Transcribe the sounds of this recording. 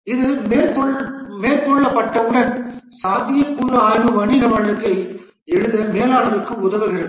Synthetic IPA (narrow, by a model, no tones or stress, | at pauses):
ɪðɯmeːɾt̪ɔmeːɾt̪ɔɭːɐpːɐʈːɐʋɯɽɐnsaːt̪ːɪjɐpːuːɾɐaːɣɯʋɐɳɪɣɐʋɐɭɯkːɐɪ | ɛɻɯðɐmeːlaːɭɐðɯkːɯʊðɐʋɯɣɪɾɐð